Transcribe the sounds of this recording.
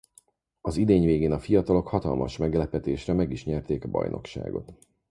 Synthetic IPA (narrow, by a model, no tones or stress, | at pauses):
ɒzid̪eːɲveːɡeːnɒfijɒt̪ɒlo̞khɒt̪ɒ̰lmɒʃmɛɡlɛpɛt̪eːʃrɛmɛɡiʃɲɛrt̪eːkɒbɒ̰jno̞̰kʃa̰ːɡo̞̰t̪